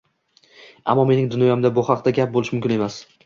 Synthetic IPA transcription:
a̰mːɒme̞nɪŋd̪ʊnjɒmd̪abʊhɑqd̪aɡʲap̚bolɪʃmʊmkʲɪne̞mas

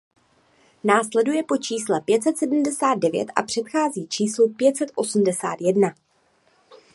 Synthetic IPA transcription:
naːslɛdujɛpo̞t͡ʃiːslɛpjɛt̪sɛt̪sɛdm̩dɛsaːd̪̚dɛvjɛ̰t̪ʔa̰pr̝̥ɛt̪xaːziːt͡ʃiːslupjɛt̪sɛt̪ʔo̞sum̩dɛsa̰ːt̪jɛdna

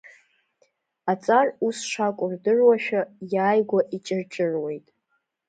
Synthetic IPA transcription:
at͡sʼarusʂakʷʼʊrdɨrwaʃᶣajaːjɡʷaʔit͡ʃʼɪrʈ͡ʂʼɨrwe̞jtʼ

